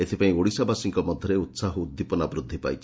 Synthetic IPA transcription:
et̪ʰipaĩoɽisabasiŋkɔmɔd̪ʱjɔɾeut̪saɦɔud̪ːipɔnabɾud̪ʱːipa̰jt͡ʃʰi

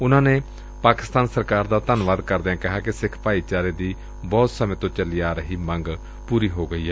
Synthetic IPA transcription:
ʊnãːneː | paːkɪst̪aːnsəɾkaːɾd̪aːt̪ənʋaːd̪kəɾd̪eãːkɪɦaːkɪsɪkʰpaːiːt͡ʃaːɾeːd̪iː | bɔːt̪səmẽːt̪õːt͡ʃəliːaːɾəɦiːmə̃ŋɡ | puːɾiːɦoːɡəiːɦɛː

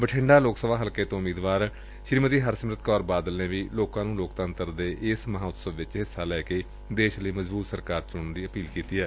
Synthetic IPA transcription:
bəʈʰɪ̃ɳɖaːloːksəʋaːɦəlkeːt̪õːmiːd̪ʋaːɾ | ʃɾiːmət̪iːɦəɾsəmɾət̪kɔːɾbaːd̪əlnẽːʋiːloːkãːnũːloːkt̪ənt̪əɾd̪eːʔɪsməɦãːʊt̪səʋʋɪt͡ʃɦɪsːaːlɛːkeː | d̪eːʃləiːməzbuːt̪səɾkaːɾt͡ʃʊɳd̪iːəpiːlkiːt̪iːɛː

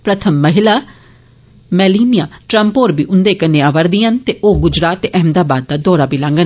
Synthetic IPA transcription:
pɾət̪ʰəmːəɦɪlaː | mɛːliːnɪjãːʈɾəmpoːɾbiːʔʊnd̪eːkənẽːaːʋəɾd̪iːɦənt̪eːʔoːɡʊd͡ʒɾaːt̪ːʔɛɦmd̪aːbaːd̪̚ːaːd̪ɔːɾaːbiːlãːŋɡən

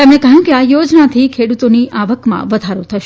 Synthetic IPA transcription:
t̪emnekəɦjũkeajod͡ʒnat̪ʰikʰeɽut̪oniʔaʋəkmã̰ʋəd̪ʱaɾot̪ʰəʃ

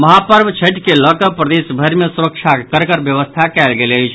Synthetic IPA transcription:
məɦapəɾbʱt͡ʃʰəʈkeləkəpɾəd̪esbʱəɾmesuɾək̚t͡ʃʰakəɾkəɾbjəʋəst̪ʰakɛlɡeləjt͡ʃʰ

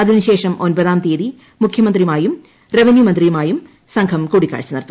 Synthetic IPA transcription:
ɐd̪ʱinuɕe̞ːʂɐmonbɐðaːmt̪eːði | mukʰjɐmɐnd̪rimaːjum | reʋenjumɐnd̪rijumaːjum | sɐŋɡʰʱɐmkuːɽikːa̰ːɻt͡ɕːɐnɐɾɐt̪ː

